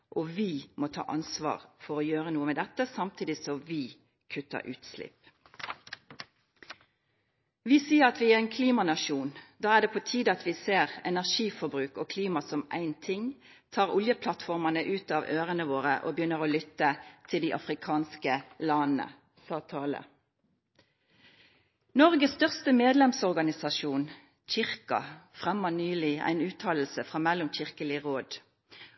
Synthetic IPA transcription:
ʔɔʋɪmɔt̪ʰɑ̰ːʔɑnsʋɑ̰ːʁfɔɾojøːʁənuːəmɛd̪ɛt̪ːəsɑmt̪ʰiːd̪ɪsɔmʋɪ | kʰʉt̪ːə̰ʔʉ̰ːt̪slɪ̰p | ʋɪsiːəʁɑt̪ʋɪæʁæɪnkʰliːmɑnɑʃuːnd̪ɑːæʁɖ̪ɛpʰɔt̪ʰiːd̪əɑt̪ʋɪseːʁɛnæʁʂiːfɔɾbɾʉːkɔkʰliːmɑsɔmæ̰ɪnt̪ʰɪŋ | t̪ʰɑːʁʊljəpʰlɑt̪fɔʁmɑnəʔʉːt̪ɑʋøːʁənəʋoːʁəʔo̰bəjʏnːəʁoːlʏt̪ːət̪ʰɪld̪iɪʔɑ̰fʁɪkʰɑːnskəlɑnnə̰ | sɑːt̪ʰɑːlə̰ | nɔʁɡəsst̪œʁst̪əmeːd̪lɛmsɔʁɡɑnɪsɑʃuːn | çɪʁkɑ̰fʁɛmːənyːlɪæ̰ɪnʉːt̪ʰɑːll̩səfʁɑːmɛlːʊmçɪʁkəlɪəʁoːd̪

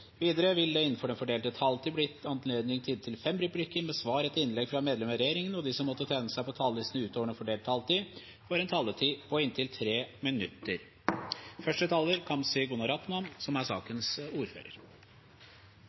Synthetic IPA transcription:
ʋiːd̪əɾəʋɪld̪ɛɪnːn̩fɔɖɛnfɔɖeːlt̪ət̪ʰɑlt̪ʰiːblɪɑnleːd̪nɪŋt̪ʰɪːd̪t̪ʰɪlfɛmɾʉplɪkːəɾmɛsʋɑːɾɛt̪ɪnlɛɡfɾɑmeːd̪lɛməɾɛjeːɾɪŋənɔd̪ɪsɔmːɔt̪ːət̪ʰæːnəsæɪpʰɔt̪ʰɑːlɪsnəʉːt̪oːʋəɖɛnfɔɖeːlt̪ʰɑlt̪iː | fɔɾɛnt̪ʰɑlːət̪ʰiːpʰɔɪnt̪ʰɪlt̪ʰɾeːmɪnʉt̪ːəɾ | fœʂʈət̪ʰɑːlːəɾkʰɑmsɪɡʊnɑɾɑt̪mɑnsɔmæsɑ̰ːkənsuːɾfø̰ːɾə̰ɾ

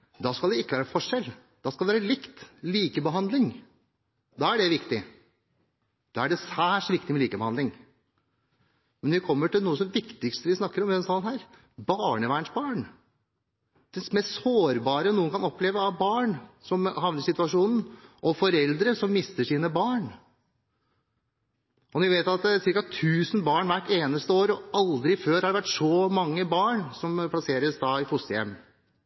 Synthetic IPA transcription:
d̪ɑskɑld̪ɛɪkːəʋæːɾəfɔʂɛl | d̪̥ɑːskɑlɛʋæːɾəlɪkt̪liːkəbəɦɑnd̪lɪŋ | d̪ɑːæɖɛʋɪkt̪ɪ | d̪̥ɑːæɖɛsæːʂʋɪkt̪ɪmɛliːkəbəhɑnd̪lɪŋ | mɛnʋɪkʰɔmːəʈɪlnuːəsɔmʋɪkt̪ɪkst̪əʋɪsnɑkːəɾɔmʋd̪ɛnsɑnhæːɾ | bɑːɳəʋæːɳʂbɑːɳ | d̪ɛsmɛssoːɾbɑːɾənuːənkʰɑnɔpʰːleːʋəɑʋbɑːɳsɔmhɑʋnəsɪt̪ʉɑʂuːnn̩ʔɔfɔɾɛld̪ɾəsɔmːɪst̪əʂiːnəbɑːɳ | ʔɔnʋɪʋeɪt̪ɑt̪sɪɾkɑt̪ʰʉːsn̩bɑːɳʋæʈːeːnəst̪əoːɾɔɑld̪ɾɪføːɾhɑɖɛʋæʈʂɔmɑŋːəbɑːɳsɔmpʰlɑseːɾəsd̪ɑɪfʊst̪əjɛ̰mː

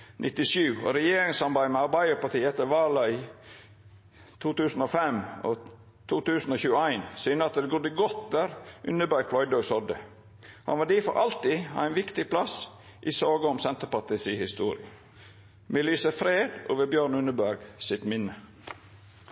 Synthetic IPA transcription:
nʔɪt̪ɪʃʉːo̰ɾɛjeːɾɪŋsɑmbæɪmɛɑɾbæɪəpɑt̪iːɛt̪ːəʋɑːlɑi | t̪ʰuːt̪ʉːsn̩ofɛmo̰ | t̪ʰuːt̪ʉːsn̩oːçʉːəæɪnsyːnəɑt̪̚d̪ɛɡʊd̪əɡɔt̪d̪æːɾʔʉnəbæɾɡ̚pʰlɔʏd̪oːɡsɔd̪ə | hɑ̰nʋɑd̪iːfɔ̰ʔɑlt̪ḭæɪnʋɪkt̪ɪpʰlɑs | ʔisoːɡəɔmsɛnt̪əpɑt̪ɪsiːhɪst̪ṵːɾɪ̰ə | mɛlyːsəfɾeːd̪ʔo̰ːʋəbjøːɾɳʉnəbæɾɡsɪt̪mɪnːə

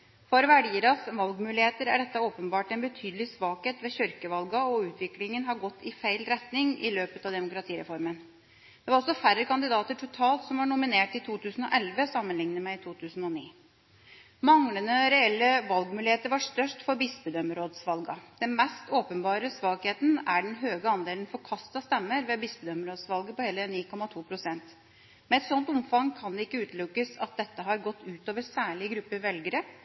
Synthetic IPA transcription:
fɔɾʋæɖiːɾɑsʋɑlɡmʉːlɪheːt̪əɾæɖɛt̪ːəoːpənbɑːʈɛnbət̪ʰyːd̪lɪsʋɑːkheːt̪ʋɛːçʏɾkəʋɑlɡɑɔʉːt̪ʰʋɪklɪŋənɦɑɾɡɔt̪ʰːɪfæɪlɾɛt̪nɪŋɪ̰løːpət̪ɑʋd̪ɛmʊkɾɑt̪ʰiːɾɛ̰fɔɾmən | d̪ɛʋɑɾɔsɔfæɾəkɑnd̪ɪd̪ɑːt̪əʈʰʊt̪ʰɑːlt̪sɔmʋɑɳʊmɪneːʈɪt̪ʰuːt̪ʰʉːsən̩ɔ̰ʔɛlʋəsɑmːənlɪŋnəmɛɪt̪ʰuːt̪ʰʉːsn̩ɔniː | mɑŋlənəɾɛɛlːəʋɑlɡmʉlɪheːt̪əɾʋɑʂt̪œʂʈfɔɾbɪsbəd̪œməɾoːd̪sʋɑlɡɑd̪̥ɛnmɛst̪oːpənbɑːɾəsʋɑːɡheːt̪n̩æɖɛnɦøːɡəɑnd̪eːlənfɔɾkʰɑst̪ɑst̪ɛmːəɾʋɛbɪsbəd̪œməɾoːd̪sʋɑlɡəpɔheːləniːkʰɔmɑt̪ʰuːpʰɾʊsɛnt̪ | mɛɛt̪sɔnt̪ʊmfɑŋkʰɑnd̪ɛɪkːəʉːt̪lʉkːəsɑt̪̚d̪ɛt̪ːəɦɑɾɡɔt̪ːʉːt̪oːʋəɾsæːɭɪɡɾʉpːəʋɛlɡəɾə

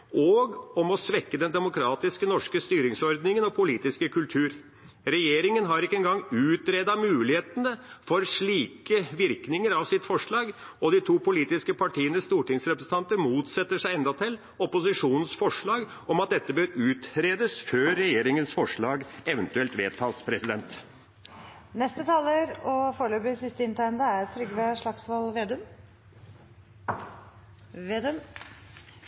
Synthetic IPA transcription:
ʔɔɡɔmɔsʋɛkːəd̪ɛnd̪ɛmʊkʰɾɑːt̪ɪskənɔʂkəst̪yːɾɪŋsɔɾd̪nɪŋənɔpʰʊliːt̪ɪskəkʰʉlt̪ʰʉːɾ | ɾɛjeːɾɪŋənɦɑɾɪkːəɛnɡɑŋːʉːt̪ɾed̪ɑmʉːlɪheːt̪ənəfɔɾʂɭiːkəʋɪɾknɪŋəɾɑʋsɪt̪fɔʂɭɑːɡɔd̪ɪt̪ʰuːpʊliːt̪ɪskəpʰɑʈʰiːənəst̪uːʈɪŋsɾɛpɾəsə̥n̩t̪ɑnt̪əɾmuːt̪sɛt̪ːəʂæɪɛnd̪ɑt̪ʰɪl | ɔpʊsɪʂuːnn̩sfɔʂɭɑːɡ | ɔmɑt̪̚d̪ɛt̪ːəbøːɾʉːt̪ɾeːd̪əsføːɾːɛjeːɾɪŋənsfɔʂɭɑːɡɛʋənt̪ʉɛlt̪ʋeːt̪ʰɑːspʰɾɛsɪd̪ɛnt̪ | nɛst̪ət̪ʰɑːləɾɔfoːɾɭøːpɪsɪst̪əɪnt̪ɑɪənd̪əæɾt̪ʰːɾʏɡːʋɛʂɭɑksʋɑlʋeːd̪ʉm | ʋeːd̪ʉm

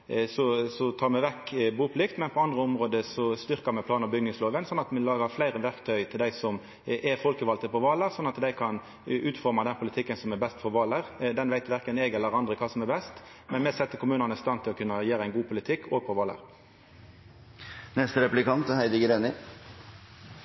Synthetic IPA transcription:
sɔsɔt̪ʰɑːʁmɛʋɛkːbuːpʰʊlɪkt̪mɛnpʰɔɑnd̪ʁəʊmʁoːd̪əsɔst̪ʏʁkəɾmɛpʰlɑːnɔbʏɡnɪŋsloːʋənsɔnːɑt̪mɛlɑːɡɑflæɪʁəʋæʁkt̪ʰœʏt̪ʰɪld̪æɪsɔm | ʔɛfɔlkəʋɑlt̪əpʰɔʋɑːləʁsɔnːɑt̪d̪æɪkʰɑn | ʉːt̪fɔɾmɑd̪ɛnpʰʊlɪt̪ʰɪkːənsɔmɛbɛst̪fɔɾʋɑːləʁd̪ɛnʋæɪt̪ʋæʁkənɛɡɛlːəɾɑnd̪ʁəkʰɑːsɔmɛbɛst̪ | mɛnmɛsɛt̪ːəkʰʊmʉːnənəst̪ɑnt̪ʰɪlɔkʰʉnːəɛjeːɾəæɪnɡuːpʰʊlɪt̪ʰɪkːʰoːɡ̚pʰɔʋɑːlə̰ʁ | nɛst̪əɾɛplɪkʰɑnt̪hæɪd̪ɪɡəɾɛnɪ

